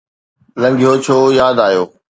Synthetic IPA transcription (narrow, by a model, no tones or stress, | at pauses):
lə̃ŋɡʱijoːt͡ɕʰoːjaːd̪aːjoː